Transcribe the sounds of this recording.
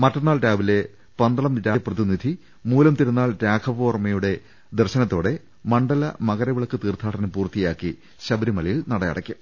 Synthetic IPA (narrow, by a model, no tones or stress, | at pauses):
mɐtːɐnːaːlɾaːʋile̞ | pɐnd̪ɐɭɐmɾaːprɐðinːid̪ʱi | muːlɐmt̪iɾunːaːlɾaːkʰɐpoːrmɐjuɽe̞ | d̪erɕɐnɐt̪ːo̞ːɽe̞ | mɐɳɖɐlɐmɐɣɐɾɐʋiɭɐkːɨt̪iːrt̪ʰːaːʈʰɐnɐpuːrt̪ːijaːkːi | ɕɐbɐɾimɐlɐjilnɐɽɐjɐ̰ɽɐ̰kʲːum